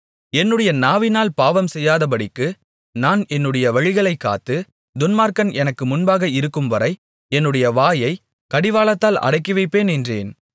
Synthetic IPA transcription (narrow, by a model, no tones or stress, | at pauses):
ɛnːɯɽɐjɐnaːʋɪnaːlpaːʋɐmsɛjːaːðɐp̬ɐɽɪkːɯ | naːnɛnːɯɽɐjɐʋɐɻɪɣɐɭɐɪkːa̰ːt̪ːɯ | d̪ʊnmaːɾkɐnʔɛnɐkːɯmʊnbaːɣɐɪɾɯkːɯmʋɐɾɐɪ | ɛnːɯɽɐjɐʋaːjɐɪ | kɐɽɪʋaːɭɐt̪ːaːlɐ̰ɽɐɪk̬ːɪʋɐɪpːeːnɛndrḛːn